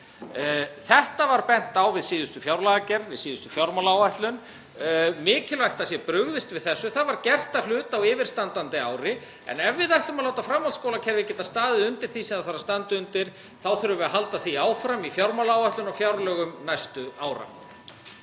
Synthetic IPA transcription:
θɛht̪avaɾpɛn̥t̪awvɪðsiːðʏst̪ʏfjawɾlaɣacɛɾðvɪðsiːðʏst̪ʏfjawɾmalawaht̪lʏn | mɪːcɪlvajht̪asjɛpɾʏɣðɪst̪vɪðθɛsːʏθaðvaɾcɛr̥t̪aflʏːt̪awɪːvɪɾ̥st̪ant̪ant̪ɪaːwɾɪ | ɛ̰nɛvːɪðat̪ʏmaloːwt̪afɾamhɔlskoːwlacʰɛɾvɪcɛːt̪ast̪aːðɪʏnt̪ɪɾ̥θisɛmðaðθaɾast̪ant̪ʏʏnt̪ɪɾ̥ | θawθʏɾʏvʏaɦalt̪aθiaːwfɾamifjawɾmalawaht̪lʏnawfjawɾlœːɣʏmnajst̪ʏaːwɾa̰

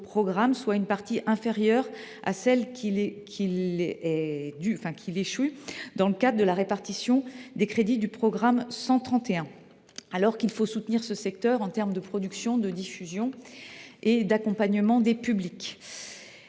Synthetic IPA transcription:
pχɔɡʁamswaynpaʁt̪iʔɛ̃feʁjœʁa̰sɛlkʲʰilkʲʰilɛd̪yɑ̃fɛ̃kʲʰileʃid̪ɑ̃ləkad̪ʁəd̪əlaʁepaʁt̪isjɔ̃d̪ekχed̪id̪ypχɔɡʁamsɑ̃t̪χɑ̃t̪eɛ̃ | alɔʁkilfosut̪niʁsəsɛk̚t̪œʁɑ̃t̪ɛʁmd̪əpχɔd̪yksjɔ̃d̪əd̪ifyzjɔ̃ | ed̪akɔ̃paɲəmɑ̃d̪epyblik

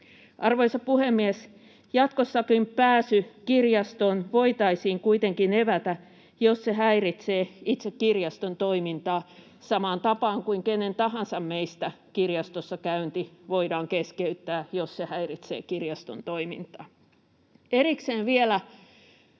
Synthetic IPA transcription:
ʔɑrʋoisɑppuhemːies | jɑt̪kosːɑkimpæːsykirjɑst̪onʋoit̪ɑisiːŋkuit̪eŋkineʋæt̪æ | josseɦæirit̪seːit̪sekkirjɑst̪ont̪oimint̪ɑː | sɑmɑːnt̪ɑpɑːŋkuiŋkenːent̪ɑɦɑnsɑmmeist̪æ | kirjɑst̪osːɑkæynt̪iʋoiɾɑːŋkeskeyt̪ːæːjossehæirit̪sḛːkirjɑst̪ont̪oimḭnt̪ɑ̰ː | erikseːnʋielæ

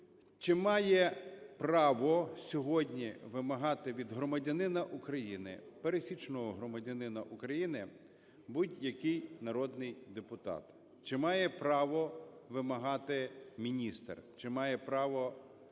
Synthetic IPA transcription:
t͡ʃɪmɑjɛpɾɑʋɔsʲɔɦɔdʲnʲiʋɪmɐɦɑt̪ɪʋʲid̪ɦɾɔmɐdʲɐnɪnɐʔukɾɐjinɪ̰peɾesʲit͡ʃnɔɦɔɦɾɔmɐdʲɐnɪnɐʔukɾɐjinɪ | butʲjɐkɪjnɐɾɔd̪nɪjd̪epʊt̪ɑ̰t̪ | t͡ʃɪmɑjɛpɾɑʋɔʋɪmɐɦɑt̪ɪmʲinʲist̪rt͡ʃɪmɑjɛpɾɑʋɔ

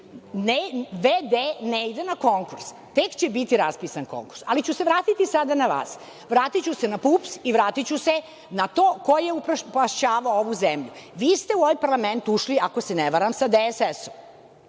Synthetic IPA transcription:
neʋed̪eneid̪enako̞ŋkuɾs | t̪e̞kt͡ɕebit̪iɾaspiːsanko̰ŋkuɾsalit͡ɕuse̞ʋɾaːt̪it̪isad̪anaʋa̰ːs | ʋɾaːt̪it͡ɕusenapuːpsiʋɾaːt̪it͡ɕuse | nat̪oːko̞jeuppaʃt͡ɕaːʋaooʋuzemʎuʋiːst̪euoʋajpaɾlˠament̪uʃliako̞seneʋaɾamsad̪esesom

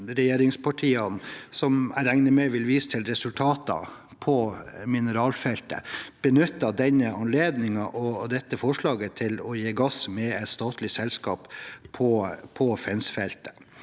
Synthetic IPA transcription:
ɾɛjeːɾɪŋspʰɑʈʰiːɑnsɔmæ̰ɾæŋnəmɛʋɪlʋiːsə̥t̪ʰɪlɾɛsʉlt̪ʰɑːt̪ɑ̰ | pʰɔmɪnəɾɑːlfɛlt̪ə̰b̥ənʉt̪ːɑd̪ɛnːəɑnleːd̪nɪŋɑʔɔd̪ɛt̪ːəfɔʂɭɑːɡət̪ʰɪlɔjeːɡɑsmɛɛt̪st̪ɑːt̪lɪsɛlskɑ̰ːppʰɔpʰɔfɛnsfɛlt̪ə̥

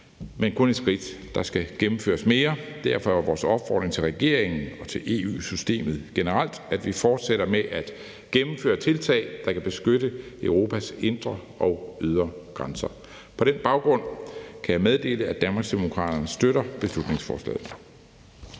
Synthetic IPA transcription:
menkʰɔ̽ned̥sɡ̥ʁid̥d̥ɑ̈sɡ̥æɡ̥emm̩fø̰ːɐsme̝ːɐd̥æɐfɒ̽ɑʋɒːsɒ̽b̥fɒ̰ːd̥ʁeŋt͡sʰe̝lʁɛɡ̥e̝ɐ̰e̝ŋn̩ɒ̽t͡sʰe̝lʔe̝̰ːṵːsysd̥e̝̰ːmð̞̩ˠɡ̥e̝nəʁal̰d̥æd̥ʋifɒːd̥seɾ̥ɐmeʔæd̥ | ɡ̥emm̩fø̰ːɐt͡sʰe̝lt͡sʰɛ̰ɪd̥ɑ̈kæb̥e̝sɡ̥øɾəøʊʁo̝ːpʰæse̝nd̥ʁɐ | ɒ̽ʊyð̞ˠʁɐɡ̥ʁɑnsɐ | pʰɒ̽ɾ̥enb̥ɑ̈ʊɡ̥ʁɔ̽n̰kʰæjɑ̈ɪmeð̞ˠd̥e̝̰ːləæd̥ænmɑɡ̥sd̥emo̝kʰʁɑ̰̈ːd̥ɐnəsd̥øɾɐb̥e̝slud̥ne̝ŋsfɒ̰ːslɛ̰ːð̩ˠ

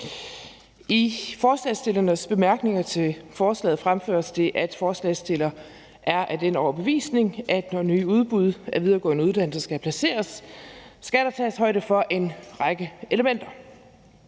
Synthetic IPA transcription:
ifɒːslɛ̰ːsd̥e̝lɐnəsb̥e̝mæɐɡ̥ne̝ŋɐt͡sʰe̝fɒːslɛ̰ːð̩ˠfʁamfø̰ːɐsd̥e̝ʔæd̥fɒːslɛ̰ːsd̥e̝lɐ | ʔæɐʔæd̥enɒʊɐb̥e̝ʋḭːsne̝ŋʔæd̥nɒnyːuð̞ˠb̥uð̞ˠæɐʋið̞ˠɐɡ̥ɒ̰ːnəuð̞ˠd̥æn̰l̩səsɡ̥æpʰlæse̝̰ːɐsː | ɡ̥æɾ̥ɑ̈t͡sʰɛ̰ːshɒ̽ɪd̥əfɒ̽ʔe̝nʁɑɡ̥əe̝ləmen̰d̥ɐ

